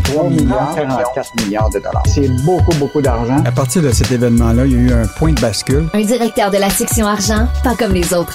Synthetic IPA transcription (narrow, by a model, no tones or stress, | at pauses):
t̪χwamiljãkaʁɑ̃kat̪miljaːʁd̪əd̪ɔ̰la̰ːsɛbokubokud̪aʁʒɑ̃apaʁt̪iːʁd̪əsɛt̪evɛnmɑ̃lʌiljayɛ̃pwɛ̃d̪əbaskʲylɛ̃d̪iʁɛk̚t̪œːʁd̪əlasɛksjɔ̃aʁʒɑ̃pakɔmlezot̪χ